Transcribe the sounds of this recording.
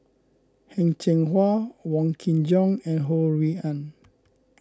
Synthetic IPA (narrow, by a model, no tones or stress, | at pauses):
hɛ̃ŋt͡ʃɛ̃ŋɦwawɔ̃ŋkʰĩnd͡ʒɔ̃ŋɛ̃nɦoɹiãn